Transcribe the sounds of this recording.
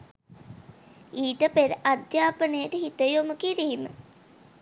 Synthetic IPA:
iːʈəpeɾʔad̪jaːpənəjəʈəɦit̪əjoməkiɾiːmə̰

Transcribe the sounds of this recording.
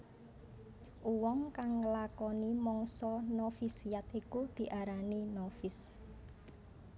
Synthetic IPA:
ʔuwɔŋkaŋːəlakɔnimɔŋsɔnofisijat̪ikud̪̥i̤ʔaɾaninofɪs

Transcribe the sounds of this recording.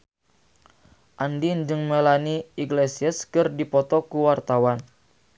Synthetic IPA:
ʔandind͡ʒɨŋmelaniiɡlesiəskɨrdipɔt̪ɔkuwart̪awan

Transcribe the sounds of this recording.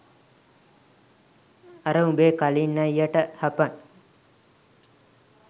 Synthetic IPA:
ɐɾəubeːkalinːɐjːaʈəhɐpɐŋ

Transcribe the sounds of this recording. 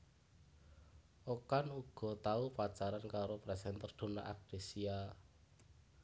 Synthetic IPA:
ʔokanuɡ̥ɔ̤t̪aupat͡ʃaɾankaɾopɾɛsɛnt̪ərd̪̥o̤na̰ʔa̰k̚d̥esia

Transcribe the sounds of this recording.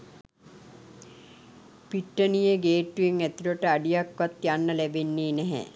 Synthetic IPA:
piʈːənijəɡeːʈːueŋæt̪iloʈəaɖijakʋat̪janːəlæbenːiːnɛɦɛ̰

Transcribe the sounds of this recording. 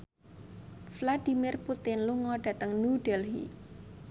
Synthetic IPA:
flad̥i̤mirput̪ɪnluŋɔɖ̥ä̤t̪əŋnuɖ̥ɛlɦḭ

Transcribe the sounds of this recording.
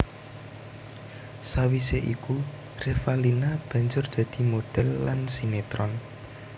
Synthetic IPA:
sawiseʔiku | refalinab̥a̤ɲd͡ʒʊrd̪̥ä̤d̪̥i̤mod̪̥ɛlːansinet̪ɾɔn

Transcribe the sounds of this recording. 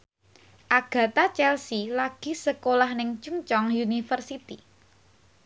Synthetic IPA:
ʔaɡ̥a̤t̪at͡ʃɛlsilaɡ̥i̤səkolahnɪŋt͡ʃuŋt͡ʃɔŋjunifərsit̪i

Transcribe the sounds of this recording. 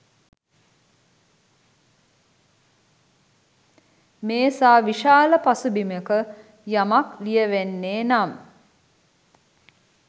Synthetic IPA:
meːsaːʋiʃaːləpasubimekə | jamaklijəʋenːeːnam

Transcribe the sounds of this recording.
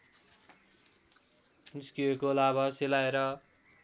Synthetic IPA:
niskiekolabʱaselaeɾʌ

